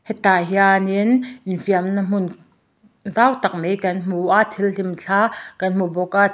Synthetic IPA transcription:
hɛt̪aɦianinʔɪnfiamnɐm̥ʊn | zawt̪ɐk̚mejkɐnm̥uʔaʔt̪ʰilɬimt͡ɬʰaːkɐnmubɔka

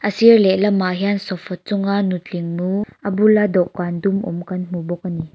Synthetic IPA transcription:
ʔəsirlɛlɐmaɦiansɔfɔt͡sʊŋanutiŋnuʔɐbulad̪ɔkːand̪umʔṵmkɐnm̥ubɔk̚ani

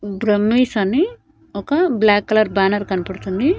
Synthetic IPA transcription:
bɾəmːisɐni | okablakːɐlɐɾbanɐɾkɐnpɐɽt͡sʰund̪i

